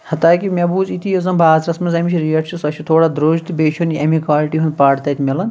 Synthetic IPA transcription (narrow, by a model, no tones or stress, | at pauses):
hɐt̪aːkimebuːzit̪ijozɐmbʱaːzɾɐsmɐzɐmit͡ʃʰɾijɐʈʃʰisɐt͡ʃʰit̪ʰoːɽaːd̪ɾoːd͡ʒt̪beːt͡ʃʰuniɐmikwaːliʈiɦunpaːɽt̪ɐt̪ʰʲimʲelɐn